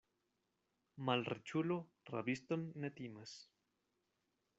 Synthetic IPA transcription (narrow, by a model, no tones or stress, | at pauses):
malrḛt͡ʃulo | ra̰βist̪onːet̪imes